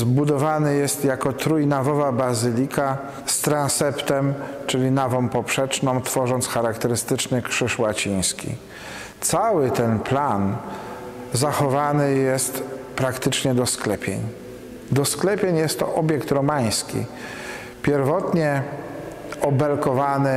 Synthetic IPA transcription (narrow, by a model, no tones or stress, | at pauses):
zbud̪ɔvanɘjɛst̪jakɔt̪ɾujnavɔvabazɘlʲika | st̪ɾãnsɛpt̪ɛmt͡ʂɘlʲinavɔ̃w̃pɔpʂɛt͡ʂnɔ̃w̃t̪fɔʐɔnt̪sxaɾakt̪ɛɾɘst̪ɘt͡ʂnɘkʂɘʂwat͡ɕij̃skʲḭ | t̪sawɘt̪ɛnplan | zaxɔvanɘjɛst̪pɾakt̪ɘt͡ʂɲɛd̪ɔsklɛpʲjḛɲ | d̪ɔsklɛpʲjeɲjɛst̪ːɔʔɔbʲjɛkt̪ɾɔmaj̃skʲḭ | pʲjɛɾvɔt̪ɲɛ | ɔbɛlkɔvanɘ